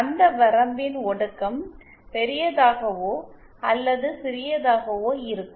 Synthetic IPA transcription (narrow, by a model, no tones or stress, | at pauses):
ɐnd̪ɐʋɐɾɐmbɪnɔɽɯkːɐm | pɛɾɪjɐðaːɣɐʋoː | ɐlːɐðɯsɪɾɪjɐðaːɣɐʋoːɪɾɯkːɯ